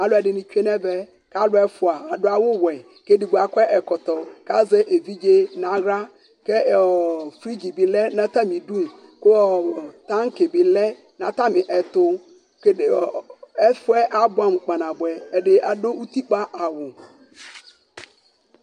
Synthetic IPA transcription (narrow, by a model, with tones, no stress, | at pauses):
a˨lʊ˦ɛ˨ɖɪ˨nĩ˨t͡ʃᶣu˦e˦nɛ̃˦bɛ˦ | ka˦lʊ˦ɛ˦fʊ˨a˨a˨ɖʊ˦a˦wʊ˦wɛ˨ | ke˦di˨ɡ͡ba˨kʷɛ˦ʔɛ˨kɔ˨t̪ɔ˨ka˦zɛ˦ʔe˨vi˦d͡ʒe˦nã˨ɣɾa˦ | kɛ˦˨ | fɾi˦d͡ʑi˨bi˨lɛ˦nã˦t̪a˦mĩ˨du˦˨m˨ | kʊ˦ɔ˨t̪ã˦ŋ˦ke˨bi˨lɛ˦ | nã˨t̪a˦mɪ̃˨ʔɛ˨t̪ʊ˦ | kɛ˦fʊ˦ɛ˦ʔa˦bʊ˦a˦˨m˨k͡pa˨nã˨bʊ˨ɛ˨ɛ˨ɖɪ˨a˨do˦ʔu˦t̪i˦k͡pa˦ʔa˨wʊ˨